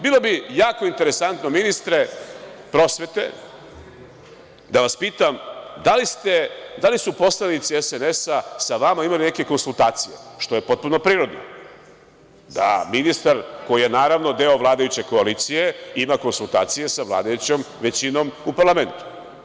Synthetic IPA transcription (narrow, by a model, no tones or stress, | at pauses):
bilˠo̞bijaːko̞int̪e̞ɾe̞sant̪no̞minist̪ɾe̞pɾo̞sʋe̞t̪e̞̰ | d̪aʋaspiːt̪amd̪alist̪e̞d̪alisupo̞slˠanit̪siesenesasaʋamaimaline̞ke̞ko̞nsult̪aːt̪sije̞ʃt̪o̞je̞po̞t̪̚puno̞pɾiːɾo̞d̪no̰ | d̪a̰minist̪aɾko̞jije̞naːɾaʋno̞d̪e̞o̞ʋlˠaːd̪ajut͡ɕe̞ko̞alit̪sije̞imako̞nsulˠt̪a̰ːt̪sije̞saʋlˠa̰ːd̪ajut͡ɕom | ʋe̞t͡ɕino̞mupaɾlame̞nt̪u̥